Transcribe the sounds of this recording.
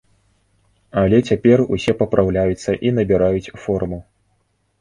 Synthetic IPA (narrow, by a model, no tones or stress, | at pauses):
alʲɛt͡sʲapʲɛrusʲɛpɐpɾawlʲajut̪sːɐʔinɐbʲɛɾajut͡sʲfɔrmu